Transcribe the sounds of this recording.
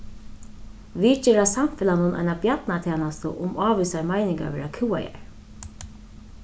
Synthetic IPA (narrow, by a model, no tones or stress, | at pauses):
ʋit͡ʃɛːɾasamfɪlanʊnʔa̰jnabjat̪nat̪ʰɛːnast̪ə̰ʔʊmaːʋisaɹmajnɪŋka̰ʋɛ̰ːɾakʰɪwa̰ja̰ɹ